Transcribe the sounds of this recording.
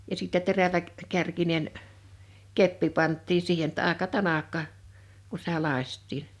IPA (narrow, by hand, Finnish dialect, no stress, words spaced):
jɑ siˑtːɛ teræʋæ kærkinen kepːi pɑntːiː siːhen tːɑ ɑˑekɑ tɑnɑkːɑ ku sĭt̆æ lɑˑĭstˑiːn̥